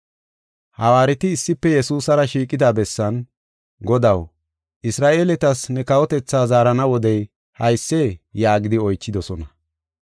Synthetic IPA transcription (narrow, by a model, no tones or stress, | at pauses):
hɐwaːɾɪt̪ɪːsːɪpːɛjɛsuːsɐɾɐʃiːkʼɪd̪aːbɛsːɐn | ɡɔd̪ɐw | ʔɪsɾaːʔe̞ːlɛt̪ɐsnɛkɐwɔt̪ɛt͡sːaːzaːɾɐnɐwɔd̪ɛj | hɐjsːejaːɡɪd̪ɪɔjt͡ʃːɪd̪ɔsɔnɐ